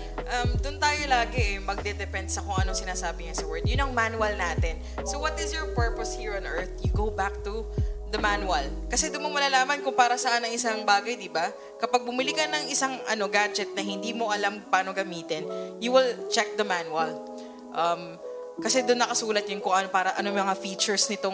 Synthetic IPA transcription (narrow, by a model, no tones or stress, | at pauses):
ʔɐmd̪ʊnt̪aːjo̞laːɡɛʔɛmɐɡ̚d̪ɛd̪ɛpɛnd̪sɐkoŋʔɐnosɪnaːsaːbɪɲɐsɐwɛɹd̪̚jʊnɐŋmanuwɐlnaːt̪ɛn | sowɐt̪ɪsjɔɹpɛɹposhiɹɔnʔɛɹt̪̚jʊɡowbak̚t̪ud̪ɐmanuwɐlkɐsɛd̪ʊnmomɐlaːlaːmɐnkʊŋpaːɾɐsɐʔanːɐŋɪsaŋbaːɡɐjd̪ɪba | kɐpɐɡ̚bʊmɪlikɐnɐŋʔɪsaŋʔɐ̰no̞ɡad͡ʒɛt̪̚nɐhɪnd̪iːmo̞ʔɐlampaːno̞ɡɐmiːt̪ɛnjuwɪlt͡ʃɛk̚d̪ɐmanuwɐl | ʔɐm | kɐsɛd̪ʊnːɐkɐsuːlɐt̪̚ɲʊnkʊŋʔɐnopaːɾɐʔɐnommɐŋafiːt͡ʃɛɹsnɪt̪oŋ